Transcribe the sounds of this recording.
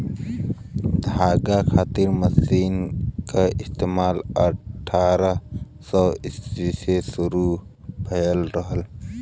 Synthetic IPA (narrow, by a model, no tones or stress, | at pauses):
d̪ʱaːɡakʰaːt̪ɪɾməsiːnkaʔɪst̪eːmaːləʈʰaːɾə | sɔːɪsisesuɾu | pʰɐjəlɾəɦəl